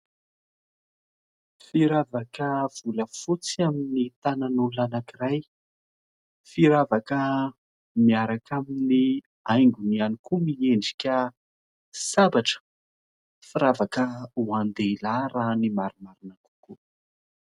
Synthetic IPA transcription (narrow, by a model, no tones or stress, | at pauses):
fiɾavakəv̥uləfut͡siaminit̪ananulanakiraj | fiɾavakə | miaɾakamini | ajŋɡunianikumieɳɖ͡ʐi̥kʲə | sabaʈ͡ʂə̥ | fiɾavakəuand̪eilaɾanimaɾumaɾinaku̥ku